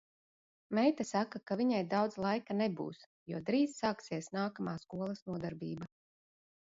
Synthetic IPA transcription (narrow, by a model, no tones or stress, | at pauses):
mɛjt̪asakakaviɲajd̪awd̪zlˠajkanɛbṵːs | juɔd̪ɾiːzsaːksiɛsnaːkamaːskuɔlˠɐsnuɔd̪aɾbʲiːba